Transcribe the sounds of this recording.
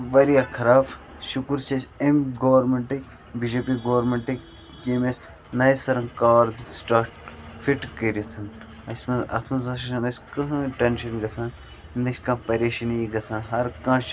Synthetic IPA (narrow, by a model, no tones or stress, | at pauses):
ʋɐɾiakʰɐɾaːf | ʃukuɾt͡ʃʰɐsʲemɡoʋɐɾmeɳʈɐ | bid͡ʒeːpiɡoʋɐɾmeɳʈɐ | keːmes | nɐjsɐɾɐ̃ŋkaːɾd̪sʈaːʈfiʈkəɾit̪ʰɐn | ɐsʲmɐɐ̰t̪ʰmɐzɐʃɐʃɐnɐsʲkɐɦʈɐnʃɐnɡɐsʰãːn | nɐʃkãːpɐɾeːʃɐnijiɡɐsʰãːnɦɐɾkãːʃ